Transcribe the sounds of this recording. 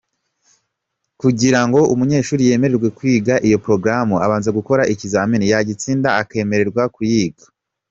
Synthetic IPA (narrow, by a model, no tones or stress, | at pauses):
kuɟiɾaŋɡo̞umuɲe̞ːʃuːɾije̞ːme̞ɾe̞ɾɡwe̞kwiːɡaʔijo̞pɾo̞ɡɾamuaβaːnzeɡuko̞ɾaʔicizaminijaɟit͡siːndaːke̞ːme̞ɾe̞ɾɡwakujiːɡḁ